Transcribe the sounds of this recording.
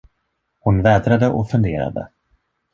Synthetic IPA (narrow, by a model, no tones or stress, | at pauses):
hʊnvɛːd̪ɾad̪əʔɔfɵnd̪eːɾa̰d̪ə̰